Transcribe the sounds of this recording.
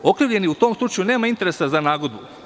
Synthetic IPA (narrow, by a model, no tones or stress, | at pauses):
o̞kɾiːʋʎe̞niut̪o̞ːmslˠut͡ʃajuneːmaint̪e̞ɾe̞sazanaːɡo̞d̪bu